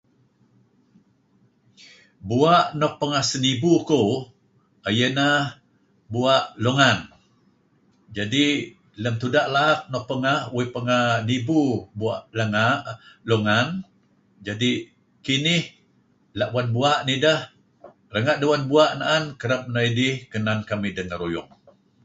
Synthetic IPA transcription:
buaʔnɔʔ̚pəŋahsənibuko | ajənah | buaʔloŋan | d͡ʒadi | ləmt̪udaʔlak̚nɔʔ̚pəŋahwipəŋahnibubuaʔləŋaʔloŋan | d͡ʒadi | kinɪh | laʔbwanbuaʔnidəh | rəŋaʔdəwanbuaʔnaʔankəɾap̚najdihkənankamidəŋəɾojʊŋ

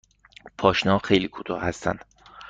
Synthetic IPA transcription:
pʰɒːʃnɒːxejliːkʰo̥t̪ʰɒ̰ːhæst̪æ̰nd̪̥

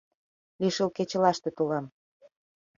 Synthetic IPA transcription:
liʃəlket͡ɕə̆lɑʃt̪ĕt̪ulɑm

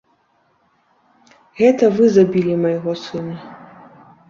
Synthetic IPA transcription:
ɣɛt̪ɐvɨzabʲilʲimɐjɣɔsɨnɐ

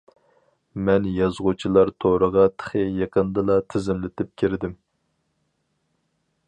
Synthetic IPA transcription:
mɛnjɑzʁut͡ʃʰilˠɑɾt̪ʰoɾəʁɑt̪ʰə̥χəjeqənd̪ɨlˠɑt̪ʰɪzɪmlɪt̪ʰɪp̚kʲʰiɾɪd̪ɪm

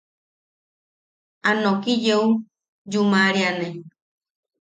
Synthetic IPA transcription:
anõkid͡ʒeu | d͡ʒumãɾiane

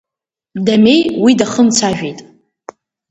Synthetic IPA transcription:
dame̞jwidaχənt͡sʰaʒᶣejtʼ

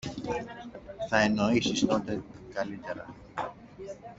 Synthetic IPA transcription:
θɐeno̞isist̪o̞t̪e̞kɐlit̪e̞ɾɐ̰

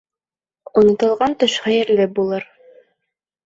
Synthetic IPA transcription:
ŏnŏt̪ɤ̆lˠʁɑnt̪ɤ̆ʃχæjɘ̆ɾlɘp̚bulˠɤɾ

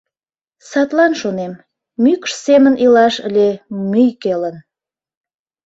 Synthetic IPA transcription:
sɑt̪lɑnʃonemː | ykʃsemənilɑʃəlʲemyjkelən

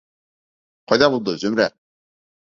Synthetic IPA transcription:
qʰɒjd̪ɑbulˠd̪ɤzɵmɾæ

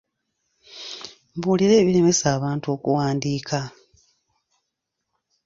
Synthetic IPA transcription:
mβuːliɾe̞ːβiɾe̞me̞saːβaːntuo̞ːkṵwaːndiːkʰa

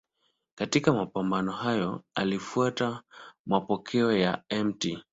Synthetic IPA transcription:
katikamapambanɔɦajɔalifuatamapɔkʰɛɔjaɛmti

